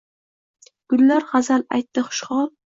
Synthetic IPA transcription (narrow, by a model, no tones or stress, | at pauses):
ɡ̥ʊlːaɾχazala̰jt̪ːɪχʊ̥ʃχɒl